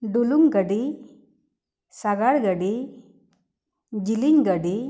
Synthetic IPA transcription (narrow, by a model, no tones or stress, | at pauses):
ɖuluŋɡəɖi | saɡaɽɡəɖi | d͡ʑiliɲɡəɖi